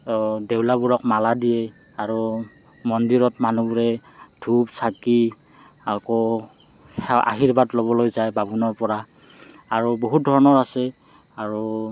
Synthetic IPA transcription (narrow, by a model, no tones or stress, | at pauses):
dewlabuɹɔk̚maladijɛ | aɹu | mɔndiɹɔtmanubɹɛdʰʱubsaki | akɔ | ɛa̰ɦiɹbatlobɔlojzajbabunɔɹpɔɹa | aɹuboɦut̚dʱɔɹɔnɔɹasɛ | aɹu